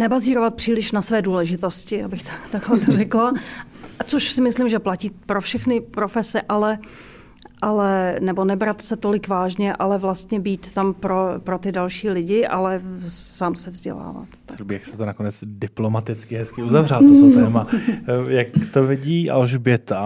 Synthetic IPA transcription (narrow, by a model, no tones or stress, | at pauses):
nɛbaziːɾo̞vat̪̚pr̥iːlɪʃnasvɛːduːlɛʒɪt̪o̞scɪabɪxt̪ḁt̪aɡɦlɛt̪orɛkla | t͡soʃsɪmɪslɪmʒɛplaciːpɾofʃɛxnɪpɾofɛsɛʔalɛ | ʔalɛnɛbo̞nɛbɾat̪sɛt̪o̞lɪkvaːʒɲɛʔalɛvlast̪ɲɛbiːt̪ːampɾopɾot̪ɪdalʃiːlɪɟɪʔa̰lɛsaːmsɛvzɟɛ̰la̰ːva̰t̪bijaksɛ̥t̪onakonɛt͡sdɪplomat̪ɪt͡skɪɦɛskɪuzavralot̪ot̪ɛːmajakt̪ovɪɟiːʔa̰lʒbjɛt̪a